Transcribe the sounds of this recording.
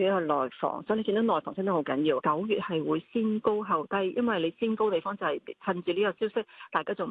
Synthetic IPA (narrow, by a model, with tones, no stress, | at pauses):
jɐ˥kɔ˧lɔː˨jfɔ̰ː˨˩ŋsɔː˨˥jle˧ki˧t̪o˨˥nɔː˨jfɔː˨˩ŋsɪ˥t̪hwkɐ˨˥njiː˧wkɐ˨˥wjyː˨t̚hɐ˨jwuː˨˧jsiː˥nko˥wɦɐ˨˧˩wt̪ɐ˥˧jjɐ˥nwɐ˨jle˨˧jsiː˥nko˥wt̪e˨jfɔː˥ŋt͡sɐ˨˩whɐ˨jt͡sʰɐ˧nt͡syː˨˧liː˥kɔː˧siː˥wsɪ˥k̚t̪aː˨jkaː˥t͡sʊ˨ŋ˨˩